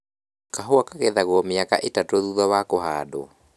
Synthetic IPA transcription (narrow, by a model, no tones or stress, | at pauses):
kaɦoakaɣeðaɣwɔmeaka̰ʔetatoðuðɔwakohaːdo̰